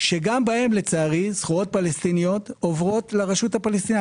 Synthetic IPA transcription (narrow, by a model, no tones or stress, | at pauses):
ʃe̞ɡambae̞mle̞t͡saːʁisχuʁo̞t̚palest̪inio̞t̪ovʁo̞tleʁaʃut̪hapalest̪ina